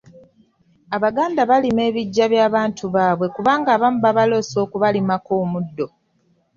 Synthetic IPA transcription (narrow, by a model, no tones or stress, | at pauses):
aβaɡaːndaβalime̞ːβiɟːaβjaːβaːntʰuβaːβwe̞kuβaːŋɡaːβamuβaβalo̞so̞ːkuβalimako̞ːmudːo̞